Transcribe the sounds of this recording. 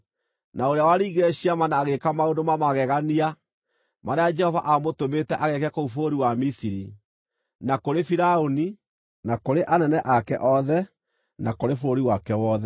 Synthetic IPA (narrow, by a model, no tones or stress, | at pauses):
naoɾeawaɾiiɣeɾɛɕiamanaːɣekamaondomamaɣɛɣania | maɾead͡ʒɛhɔva̰ʔamotometɛʔaɣɛkɛkoufoɾiwamisiɾi | nakoɾefiɾaoni | nakoɾeʔanɛnɛʔakɛʔɔðɛ | nakoɾefooɾiwakɛwɔðɛ